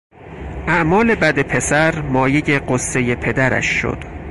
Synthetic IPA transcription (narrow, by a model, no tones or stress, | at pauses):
ʔæʔmɒːle̞bæd̪e̞pʰe̞sæɾmɒːje̞je̞ɢosːe̞je̞pʰe̞d̪æɾæ̰ʃːo̰d̪̥